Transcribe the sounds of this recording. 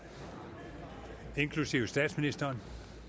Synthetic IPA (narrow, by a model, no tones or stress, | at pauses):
e̝nkʰlusiʊsd̥ɛ̰ːd̥sminisd̥ɐːn